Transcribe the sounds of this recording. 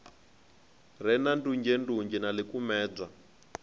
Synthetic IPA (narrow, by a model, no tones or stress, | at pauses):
rɛnandund͡ʒɛnduɲd͡ʒɛnalikumɛːb͡ʐa